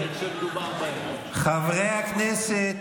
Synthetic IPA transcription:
a | χavʁejaknese

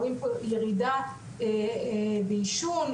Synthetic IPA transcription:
impojeʁid̪a | e | beiʃun

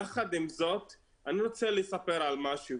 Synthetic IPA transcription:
aχad̪imzot̪ | aniɾo̞t͡selesape̞ɾalmaʃu

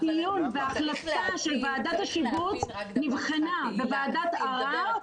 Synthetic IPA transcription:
ijunveaχlataʃe̞lvaːdat̪haʃivut͡snivχenabevaːdat̪aʁa

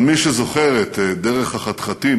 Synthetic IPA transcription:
miʃezoχeʁet̪d̪eʁeχhaχat̪χat̪i

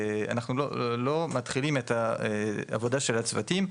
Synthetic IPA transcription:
a̰naχnulo̰lo̞mat̪χilime̞ta | a̰vo̞daʃelat͡svatim

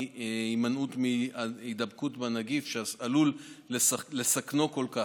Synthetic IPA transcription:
imanutmiidabkutbanaɡifʃealulːeslesakno̞kolka

